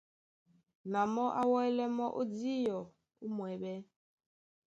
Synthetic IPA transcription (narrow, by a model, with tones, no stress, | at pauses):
na˨mɔ˦ʔa˦wɔ˦ɛ˦lɛ˦mɔ˦ʔo˦di˦jɔ˨ | u˦mwɛ˨bɛ˦